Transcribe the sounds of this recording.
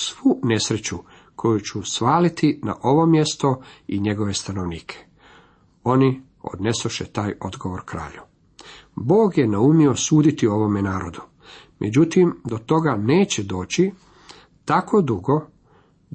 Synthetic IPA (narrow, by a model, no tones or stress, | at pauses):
sʋune̞sɾe̞t͡ɕu | kʰo̞jut͡ɕusʋaːlit̪ina̰ʔo̞ʋo̞mje̞st̪o̞iɲe̞ɡo̞ʋe̞st̪ano̞ʋniːkʰe̥ | o̞ni | o̞̰d̪ne̞soʃet̪aːjo̞d̪ɡoʋo̞ɾkɾa̰ːʎu | bo̞ːɡjenaumiosuːd̪it̪io̞ʋo̞me̞naːɾod̪u | mʔed͡ʑut̪imd̪o̞t̪o̞ɡaneːt͡ɕed̪o̞ːt͡ɕi | t̪ako̞d̪uɡo̞